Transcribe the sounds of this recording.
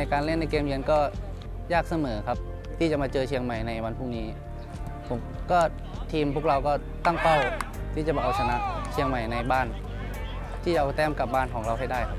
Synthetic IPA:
a˧jkaː˧nle˥˩˨nːa˧jkeː˧mji˧ənkɔː˥˩ | jaː˥˩k̚sa˧mɤː˩˦kʰa˦˥p̚ | t̪ʰiː˥˩t͡ɕa˨˩ʔmaː˧t͡ɕɤː˧t͡ɕʰi˧əŋma˨˩jna˧jwa˧npʰu˥˩niː˦˥ | pʰo˩˦mkɔː˥˩ | t̪ʰiː˧mpʰu˥˩ək̚ɾa˧wkɔː˥˩ | t̪a˥˩ŋpa˥˩w | t̪ʰiː˥˩t͡ɕa˩bɔː˨˩ʔa˧wsʰa˧na˦˧˥ʔt͡ɕʰi˧əŋma˨˩jna˧jbaː˥˩n | t̪ʰiː˥˩t͡ɕa˨ʔa˧wt̪ɛː˥˩mka˨˩p̚baː˥˩nkʰɔː˩˦ŋɾa˧wɦa˥˩jda˥˩jkʰa˦˥p̚

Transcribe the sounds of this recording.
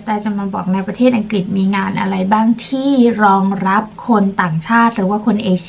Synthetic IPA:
daː˧t͡ɕa˧˩maː˧bɔː˨˩k̚na˧jpɾa˧t̪ʰeː˥˩t̪̚ʔa˧ŋkɾi˨˩t̪̚miː˧ŋaː˧nʔa̰˧ɾa˧jbaː˥˩ŋt̪ʰiː˥˩ɾɔː˧ŋɾa˦˥p̚kʰo˧nt̪aː˨˩ŋt͡ɕʰaː˥˩t̪̚ɾɯː˩˦waː˥˩kʰo˧nʔeː˧

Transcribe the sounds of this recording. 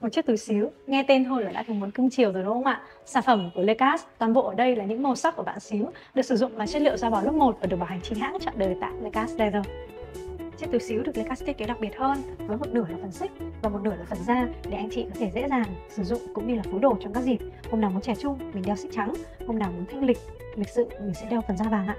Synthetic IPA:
mo˨˩t̚t͡ɕi˦˥əkt̪ɨ˨˩jsi˨˦əwŋɛ˧t̪e˧nt̪ʰo˧jlaː˨˩ɗa̰ː˧˥t̪ʰɨ˧˩mu˨˦ənkɨ˧ŋt͡ɕi˨˩əwzəː˨˩no̰˧˥˧ŋ͡ma̰ː˧˨ | saː˧˩fə˧˩mku˧˩əle˧kaː˦˥st̪waː˨˩nvo̰˧˨ʔəː˧˩ɗə˧jlaː˨˩ɲɨ̰˧˥ŋmo˨˩sa˦˥k͡p̚kːu˧˩əɓa̰ː˧˨nsi˨˦w | ɗɨ˨˩k̚sɨ˧˩zʊ̰˧˨ŋ͡mlaː˨˩t͡ɕe˦˥t̚lḭ˧əwzɔ˧ɓaː˨˩wlʊ˦˥k͡p̚mo˨˩t̚ʔə˧˩ə˨˩ɓa˨˩ha˨˩ŋ̟t͡ɕi˧˩nha̰ː˧˥ŋt͡ɕɔ̰˧˨nɗəː˨˩jt̪a̰ː˧˨le˧kaː˦˥sla˧zəː˧˩ | t͡ɕi˦˥t̚t̪ɨ˨˩si˨˦wɗɨ˨˩ək̚le˧kaː˦˥st̪i˦˥ke˨˦ɗa˨˩k̚ɓi˨˩ət̚həː˧nvəː˨˦jmo˨t̚nɨ˧˩əlaː˨˩fə˨˩nsi˦˥k̚vaː˨˩mo˨˩t̚nɨ˧˩əlaː˨˩fə˨˩nzaː˧ɗe˨˩ʔa˧jŋ̟t͡ɕḭ˧˨kɔ˨˦t̪ʰe˧˩zḛ˧˥zaː˨˩ŋsɨ˧˩zʊ̰˧˨ŋ͡mkʊ̰˧˥ŋ͡mɗi˧laː˨˩fu˨˦ɗo˧˩t͡ɕɔ˧ŋ͡mkaː˦˥k̚zi˨˩t̚ho˧wŋ͡mnaː˨˩wmu˨˦nt͡ɕɛ˧˩t͡ɕʊ˧ŋ͡mmï̟˨˩ɗɛ˧wsi˦˥t͡ɕa˨˦ŋho˧wŋ͡mnaː˨˩wmu˨˦nt̪ʰŋlï˨˩k̚ | li˨˩k̚sɨ̰˧˨mi˨˩sḭ˧nɗɛ˧wfə˨˩nzaː˧vaː˨˩ŋʔa̰ː˧˨

